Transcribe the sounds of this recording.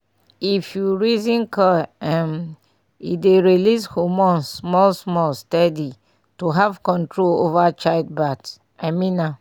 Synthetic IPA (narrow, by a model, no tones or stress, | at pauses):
ifjuɹizĩnkʰɔɛ̃m | ideɹilishomɔ̃nsmɔlsmɔlstɛdi | tuɦavkɔ̃ntɹolovat͡ʃaɪd̚bats | aɪmĩnːa